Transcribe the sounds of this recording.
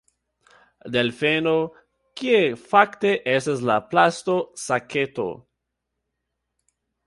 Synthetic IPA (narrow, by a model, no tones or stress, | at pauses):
d̪elfeno | kiefakte̞ʔestas̬laplastosakʰeto̰